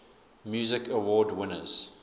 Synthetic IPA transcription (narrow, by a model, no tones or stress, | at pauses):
mjuːzɪkʰəwɔːdwɪnə̰z̥